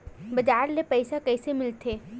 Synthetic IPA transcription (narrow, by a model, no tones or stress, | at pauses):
bɐd͡ʒaːɾnepəɪsakəɪsemɪlt̪ʰeː